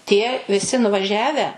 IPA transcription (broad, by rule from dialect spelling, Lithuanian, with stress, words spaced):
tʲiɛ ʋʲɪˈsʲɪ nʊʋɐˈʒʲæːʋʲæː